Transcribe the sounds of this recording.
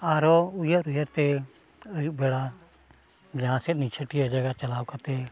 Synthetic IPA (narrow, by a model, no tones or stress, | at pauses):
aɾɔujaʔɾujət̪ɛ | əjuʔ̚bɛɽa | d͡ʒaãsɛt̪̚nit͡ʃʰəʈijad͡ʒaɡat͡ʃalaːwkat̪ɛ